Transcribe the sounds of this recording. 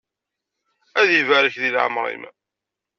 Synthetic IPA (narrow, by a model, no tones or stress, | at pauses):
æðjivæɾəçðilʕa̰mɾˤḭmæ̰